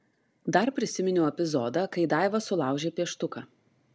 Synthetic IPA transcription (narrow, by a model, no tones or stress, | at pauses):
d̪ɐɾpʲɾʲɪsʲɪmʲɪnʲʊːɛpʲɪzɔːd̪ɐkɐɪd̪ɑˑɪʋɐsʊlˠɑˑʊʒʲeːpʲiɛʃt̪ʊkɐ